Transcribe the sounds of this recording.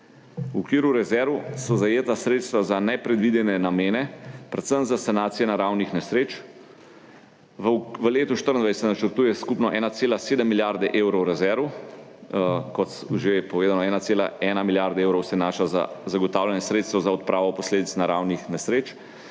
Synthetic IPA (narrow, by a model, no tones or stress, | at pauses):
uɔkʋiːɾuɾɛzɛɾʋusɔzajeːt̪asɾeːt̪st̪ʋazanɛpɾɛd̪ʋid̪ɛnɛnameːnɛpɾɛt̪səmzasanaːt̪sijɛnaɾawnixnɛsɾeːt͡ʃ | ʋʋəleːt̪uʃt̪əɾənd̪ʋajssɛnat͡ʃəɾt̪uːjɛskupnɔʔɛnat̪seːlaseːd̪əmːiljaɾd̪ɛʔeːwɾɔwɾɛzɛɾʋu | kɔt̪sʒepɔʋeːd̪anɔɛːnaseːla̰ɛːnamiljaɾd̪ɛeːwɾɔwsɛnaːʃaza̰zaɡɔt̪aːwljanɛsɾeːt̪st̪ʋɔzaɔt̪̚pɾʔaːʋɔpɔsleːd̪it̪snaɾawnixnɛsɾeːt͡ʃ